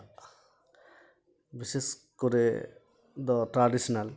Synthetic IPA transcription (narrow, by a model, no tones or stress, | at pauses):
biseskoɾe | d̪ɔʈɾaɖisɔnal